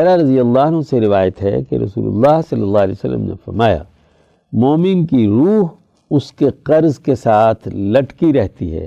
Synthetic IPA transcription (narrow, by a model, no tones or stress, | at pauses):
ɛɾaɾɐzijɐlːaːnõseɾɪʋaːjət̪ɦɛ̰kḛɾɐ̰sṵːlʊ̰lːaːɦsɐlːəlːaːlɛ̰ːosɐlːə̰mnḛfɐɾmaːja̰ː | moːmɪnkiɾuːɦ | ʊskeqɐɾzkesaːt̪ʰlɐʈkiɾɛɦt̪iɦɛ̰ː